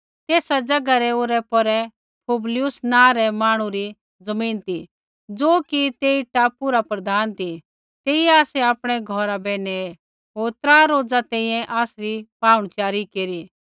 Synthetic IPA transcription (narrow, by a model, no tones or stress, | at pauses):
t̪eːsad͡ʒɐɡaɾɛoːɾɛpɔɾɛ | pʰublɪjʊsnãːɾɛmaːɽ̃ũɾi | d͡zɐmĩːnt̪i | d͡zoːkit̪eːiʈapʊɾapɾɐd̪ʱaːnt̪i | t̪eːiɛ̃aːsɛaːpɽ̃ɛɡʱɔɾabɛːɽɛ | ɦoːɾt̪ɾaːɾoːd͡zat̪ɛ̃ːĩjɛ̃ʔaːsɾipaːʊɽ̃t͡ʃjaːɾikeːɾi